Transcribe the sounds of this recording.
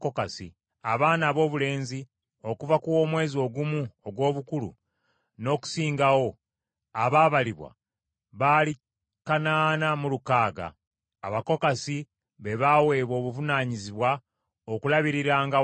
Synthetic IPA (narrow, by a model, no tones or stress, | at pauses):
kokasḭ | aβaːnaːβo̞ːβule̞ːnzi | o̞kuvakuwo̞ːmwe̞ːzio̞ɡumuoɡwo̞ːβukulṵ | no̞ːku̥siːŋɡawo̞ | aβaːβaliβwa̰ | βali | kanaːnamulukaːɡa̰ː | βako̞kasi | βe̞βawe̞ːβo̞ːβuvunaːɲiziβwa | okulaβiɾiɾaːŋɡa